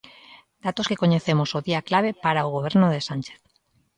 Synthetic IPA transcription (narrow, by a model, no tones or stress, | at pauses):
d̪at̪oskekoɲeθemosoðiaklaβ̞epaɾaoɣ̞oβ̞eɾnoð̞esant͡ʃeθ